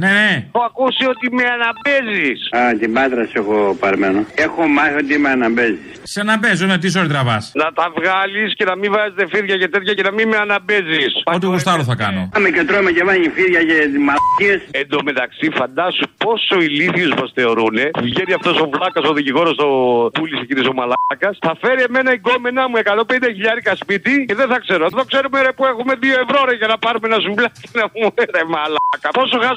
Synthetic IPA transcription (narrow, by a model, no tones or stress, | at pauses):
neneoɐkusio̞t̪imeɐnɐbe̞zisat̪ibɐt̪ɾɐsexopɐɾmenoexomaot̪̬imeanabezisseɐnɐmbezonet̪is̬oɾit̪ɾɐvɐsnɐt̪ɐvɣɐlisce̞nɐmivɐzet̪efiɾʝɐcet̪et̪çɐcenɐmimeɐnɐbezisɐot̪iɣust̪ɐloθɐkɐno̰mecet̪ɾomecevɐɲifiɾʝɐceimaesend̪ome̞t̪ɐksifɐnd̪ɐsupo̞soiliθiusmɐsθe̞o̞ɾune̞vʝeniɐft̪osovlɐkɐsoðiciɣo̞ɾosopulisecinisomɐlɐkɐsθɐfe̞ɾie̞me̞nɐiɡomenɐmue̞kɐt̪o̞mpend̪eçiʎɐɾikɐspit̪iceðeθɐkse̞ɾoðo̞kse̞ɾumeɾɐpuexume̞ðioevɾoɾeʝɐnɐpɐɾumenɐsuvlɐknɐumeɾemɐlɐkɐpo̞soxɐs